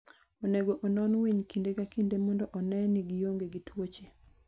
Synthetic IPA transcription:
oneɡoʔonɔnweɲkindekakindemɔndɔʔɔnɛniɡɪjoŋɡeɡitwot͡ʃe

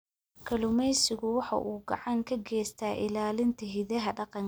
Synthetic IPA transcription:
kʰɐlʊmɛjsɪɣʊwɑħɑ̰ʔuːɡɑ̰ʕɑŋkʰɐɡɛːst̪ʰaːʔɪ̰laːlɪnt̪ʰɐɦɪðɐɦɐɖɑqɑŋ

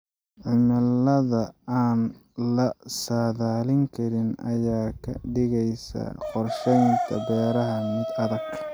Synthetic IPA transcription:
ʕɪmɐlɐðɐaːn | lɐsaːðaːlɪŋkʰɐɾɪnɐ̰jaːkʰɐ̰ɖɪɣɛjsɐ̰qɔrʃɛjŋk̪ʰɐbɛːɾɐɦɐmɪd̪ɐðɐɡʰ

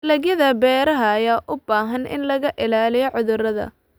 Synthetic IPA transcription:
lɐɣjɐðɐbɛːɾɐɦɐːjaːʔʊbaːɦɐnɪ̰nlɐɣɐʔɪlaːlɪjɔʕʊðʊrɐðɐ̰

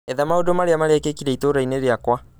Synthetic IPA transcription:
ɛðamaodomaɾeamaɾeakekiɾɛitoɾaineɾeakwa

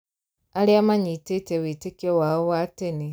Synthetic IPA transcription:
aliamaɲitetewitekewaowateni

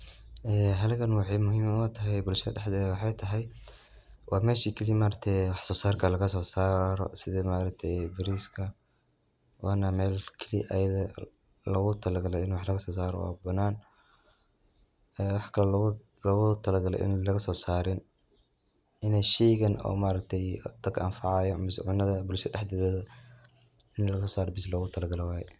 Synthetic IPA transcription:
ɛːɦɐlɣɐnwɑħɑjmʊɦiːmnt̪ʰɐɦɛjbʊlʃɐðɐɖɛħd̪ɛːðwħɑjt̪ʰɐɦɛj | wʔɑːmɛːʃiːkʰɐlimaːɾɐt̪ʰɛwɑħsɔːsaːrkʰɐlɐɣɐsɔːsaːɾɔ̰sɪðɛmaːɾɐɡ̚t̪ʰɛbɪɾiːskʰɐ | wɑːnɐmɛːlkʰɛliʔɐ̰jɐðɐ | lɐɣʊt̪ʰɐlɐɡɐlɛjɪnwɑħlɐɣɐsɔːsaːɾɔ̰wa̰ːbɐnaːn | ɛːwɑħkʰɐlɐ | lɔɣʊt̪ʰɐlɐɡɐlɛ̰ʔɪ̰nlɐɣɐsɔːsaːɾɪn | ʔɪnɛjʃɛːɣɐnɔ̰ːmaːɾɐɡt̪ʰɛjd̪̥ɐɡa̰ːnfɑʕɑjɔmɪsʕʊnːɐðɐbʊlʃɐd̪ɛħd̪ɛðɛːðɐ | ɪnlɐɣɐsɔːsaːɾɔbɪslɔːɣʊt̪ʰɐlɐɡɐlɛwaːjɛ̰

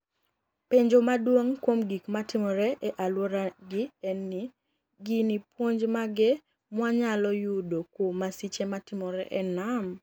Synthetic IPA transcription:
peɲd͡ʒomadwoŋkwomɡikmatɪmɔɾɛʔɛʔalwoɾaɡɪɛnːi | ɡɪnipwoɲd͡ʒmaɡɛ | mwaɲalɔjudokwomasit͡ʃematɪmɔɾɛ̰ʔɛnam

